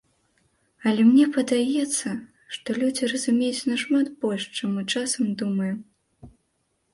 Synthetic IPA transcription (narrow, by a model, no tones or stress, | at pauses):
ɐlʲɛmnʲɛpɐd̪ajɛt̪sːɐ | ʂt̪ɔlʲud͡zʲiɾɐzumʲejut͡sʲnɐʂmat̪bɔlʲʂt͡ʂamut͡ʂasɐmd̪umɐju